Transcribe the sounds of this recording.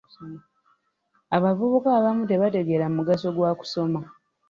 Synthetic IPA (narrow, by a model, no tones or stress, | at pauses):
aβavuβukaːβamute̞βate̞ɡe̞ɾammuɡaso̞ɡwaːku̥so̞ma